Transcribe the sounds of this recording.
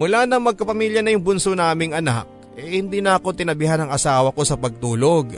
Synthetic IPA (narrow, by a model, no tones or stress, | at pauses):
mʊlaːnɐŋmɐɡ̚kɐpɐmiːljɐnɐjʊŋbʊnsonaːmɪŋʔɐnak̚ʔɛhɪnd̪inɐɐko̞t̪ɪnɐbɪhanɐŋɐsaːwɐko̞sɐpɐɡ̚t̪uːloɡ